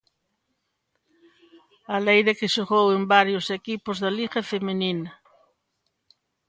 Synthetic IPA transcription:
alejðekɪʃoɣowembaɾjosekipʊzðɐliɣefemeninɐ

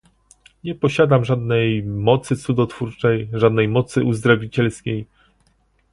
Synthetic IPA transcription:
ɲɛpɔɕad̪amʐad̪nɛjmɔt̪sɘt̪sud̪ɔt̪fuɾt͡ʂɛjʐad̪nɛjmɔt̪sɘʔuzd̪ɾavʲit͡ɕɛlskʲej

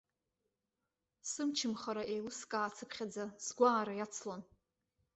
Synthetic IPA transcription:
sɨmt͡ʃʰɨmχaɾaʔejlɨskʼaːt͡sʰɨpʰχʲad͡zazɡʷaːɾajat͡sʰlon

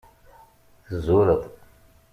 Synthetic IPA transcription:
θəzʊɾəðˤ

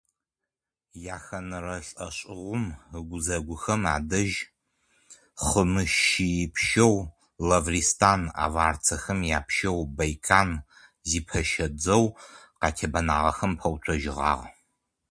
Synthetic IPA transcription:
jaːxɐnɨrɐɬʼɐɕʼɪʁʷʊmɨɡʷʊzɐɡʷʊxɐma̰ːdɐʒ | χəmɨʃijɪpʰʃɐw | lɐvriːstʰaːna̰ːvaːrt͡sʰɐxɐmjaːpʰʃɐwbɐjkʰaːn | ziːpʰɐʃɐd͡zɐw | qɑːtʰebɐnaːʁɐ̰xɐmpʰɐwtʷʰɐʒɪʁɑ̰ːʁ

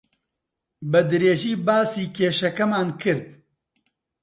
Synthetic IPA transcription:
bɨd̪ɨɾeːʒiːbaːsiːkʰeːʃɐkɐmaːnkʰɨɾd̪̚

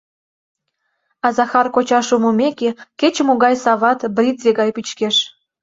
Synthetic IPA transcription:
ɑzɑxɑrkot͡ɕɑʃumomekeket͡ɕəmoɣɑjsɑβɑt̪brʲizeɣɑjpit͡ɕkeʃ

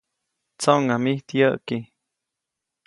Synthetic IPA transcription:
t͡soŋamiht̪jəʔki

